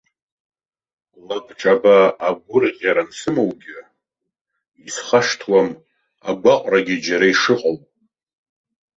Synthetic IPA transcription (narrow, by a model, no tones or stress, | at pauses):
labʰʈ͡ʂʼabaːɡʷʊrqʲʼjaɾansɨmowɡʲɪ | isχaʂtʰwam | a̰ɡʷaqʷʼraɡʲɪd͡ʒaɾaiʂɨqʼowpʼ